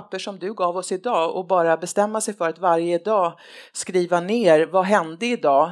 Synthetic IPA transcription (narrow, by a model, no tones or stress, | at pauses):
pːəʂɔmd̪ɵɡɑːvɔsɪd̪ɑːɔ̰bɑːɾabɛst̪ɛmːasɛjfœɾat̪vaɾjəd̪ɑː | skɾiːvaneːɾvaɦɛnd̪əɪd̪ɑː